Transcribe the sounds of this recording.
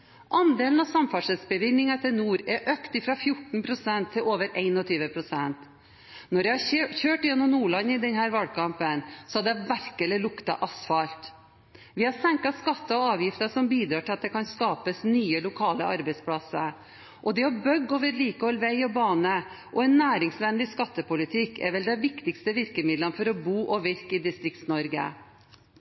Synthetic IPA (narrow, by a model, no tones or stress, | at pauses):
ʔɑnd̪eːln̩ɑʋsɑmfɑʂɛsbəʋɪnːɪŋɑt̪ʰɪlnuːɾɛʔœkt̪ɪfɾɑfjʊʈɳ̩pʰɾʊsɛnt̪ʰːɪloːʋəɾʔæɪnɔt̪ʰyːʋəpʰɾʊsɛnt̪ | nɔɾjæɪhɑçøːʈɪjɛnːɔmnuːɭɑnːəɪd̪ɛnhæːɾʋɑlkʰɑmpənsɔɑd̪ɛʋæɾkəlɪlʊkt̪ɑʔɑsfɑlt̪ | ʋɪhɑɾsɛŋkɑskɑt̪ːɑɔɑːʋjɪft̪əʂɔmbiːd̪ɾɑːʈʰɪlɑt̪̚d̪ɛkʰɑnskɑːpəsnyːəlʊkʰɑːləɑɾbæɪspʰɽɑsə | ʔɔd̪ɛɔbœɡːoːʋəɾliːkəhɔlʋæɪɔbɑːnəʔɔɛnːæːɾɪŋsʋɛnd̪ɪskɑt̪ːəpʊlɪt̪ʰɪkːʰɛ̰ɾʋɛld̪ɛɪʋɪkt̪ɪkst̪əʋɪɾkəmɪd̪lɑnfɔɾɔbuːʔɔʋɪɾkɪd̪ɪst̪ɾɪk̚t̪snɔɾɡə̰